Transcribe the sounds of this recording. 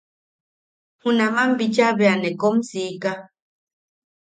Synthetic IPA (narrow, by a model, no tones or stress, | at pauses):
hunamambit͡ʃaβeanekomsika